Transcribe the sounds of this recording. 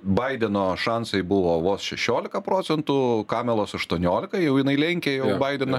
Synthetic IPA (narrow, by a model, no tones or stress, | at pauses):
bɐɪd̪ʲɛnoːʃɐnsɐɪbʊʋoːʋoːsʃʲɛʃʲoːlʲɪkɐpɾoːtsʲɛnt̪ukɑːmʲɛlˠoːsɐʃt̪uɔnʲoːlʲɪkɐjɛʊjɪnɐɪlʲɛŋʲkʲeːjɛʊbɐɪd̪ʲɛnɐ